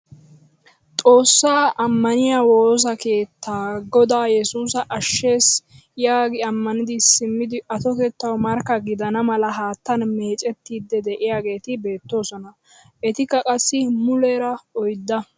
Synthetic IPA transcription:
t̪ʼo̞ːsːaːʔɐmːɐnɪjaːwo̞ːz̬ɐke̞ːt̪ːaːɡɔd̪aːjɛsuːsɐʔɐʃːe̞ːs | jaːɡɪɐmːɐnɪd̪ɪsɪmːɪd̪ɪʔɐt̪ɔke̞ːt̪ːɐwmɐɾkːɐɡɪd̪ɐnɐmɐlɐɦaːt̪ːɐnme̞ːt͡ʃʼɛt̪ːiːd̪ːɛd̪ɛʔɪjaːɡe̞ːt̪ɪbe̞ːt̪ːo̞ːsɔnɐ | ʔɛt̪ɪkːɐkʼɐsːɪmʊleɾɐɔjd̪ːɐ

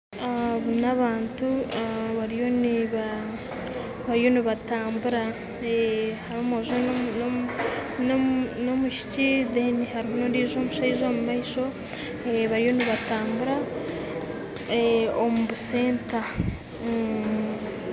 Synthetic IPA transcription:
aβunaβaːntuaβaɾijo̞niβa | βajoniβataːmbuɾa | ehaɾomoʒo | nono̞muʃi̥cidenihaɾimunondiːʒo̞ːmuʃaiʒo̞ːmumaiʃo̞ | eβaɾijo̞niβataːmbuɾa | eomuβuse̞ːnta

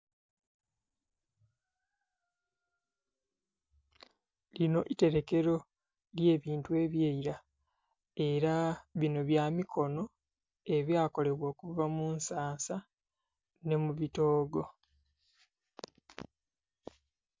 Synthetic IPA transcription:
lino̞ʔite̞ɾe̞ke̞ɾo̞ | lje̞ːβiːntue̞βjeiɾa | e̞ɾaβino̞βjaːmikʰo̞no̞ | e̞βjaːko̞le̞βwo̞ːkuvamunsaːsa | ne̞muβito̞ːɡo̞

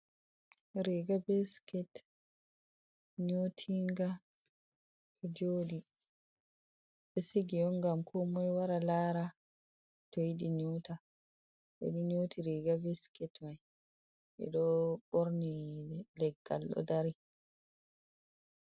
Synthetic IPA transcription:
ɾiɡabɛskɛt | ɲotʰiŋɡa | ʔɛd͡ʒoːdi | ɓɛsiɡiɔŋɡamkʰɔmɔjwaɾalaɾa | tojdiɲuta | bɛ̰ɗuɲotiɾiɡabɛskɛtmaj | ʔɛ̰ɗɔɓoɾnilɛɡːa̰lːɔ̰daɾi

